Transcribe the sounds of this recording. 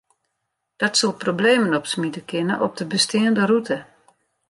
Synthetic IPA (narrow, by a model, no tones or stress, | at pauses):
d̥ɔtsolˠprobleːmənɔpsmidəkʰɪnəʔɔp̚dəbəstɪəndərutʰə